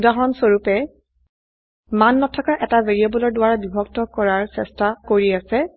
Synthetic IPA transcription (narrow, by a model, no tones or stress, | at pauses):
udaɦɔnsoɹupɛ | manːɔtʰɔkaʔɛtaveɹiabɔlɔɹdʊwaɹabibʱɔktɔkɔɹaɹsɛstakoɹiasɛ